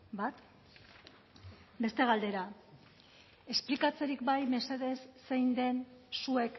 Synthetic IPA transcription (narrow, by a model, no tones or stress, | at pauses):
bat̪ | be̞st̪e̞ɣ̞ald̪e̞ɾa | e̞splikat͡seɾikbajme̞seðe̞sːejnd̪e̞nsue̞k